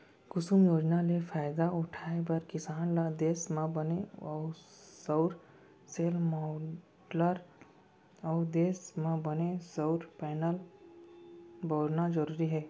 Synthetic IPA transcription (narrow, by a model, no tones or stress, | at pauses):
kʊsumjoːd͡ʒnalefaːɪd̪aʊʈʰaːebɐɾkɪsaːnlad̪eːsmãbɐneɔːsɐʊɾ | seːlmɔ | ləɾ | ɔːd̪eːsmãbɐnesɐʊɾpɛːnəl | boːɾnad͡ʒɐɾuːɾiɦɛː